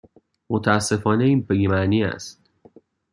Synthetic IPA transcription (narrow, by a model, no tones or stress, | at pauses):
mot̪ʰææsːe̞fɒːneiːnpeɡimæniːæ̰st̪